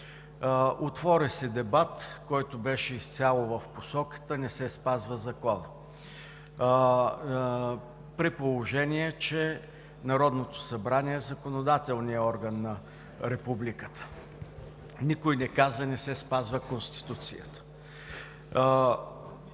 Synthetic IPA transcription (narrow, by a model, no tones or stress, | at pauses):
ot̪vɔɾɛsɛd̪ɛbat̪kɔjt̪ʊbɛʃɛist̪sʲalˠovəfposɔkə̥t̪ənɛsɛspazvəzɐkɔnə | pɾipolˠoʒɛniɛt͡ʃɛ | nɐɾɔd̪not̪o̥sɐbɾaniɛːzɐkonod̪at̪ɛlˠnijəɔɾɡənːɐ | ɾɛpublikə̥t̪ə̥ | nikojnɛkazənɛsɛspazvəkonst̪i̥t̪ut̪sḭjə̰t̪ə̥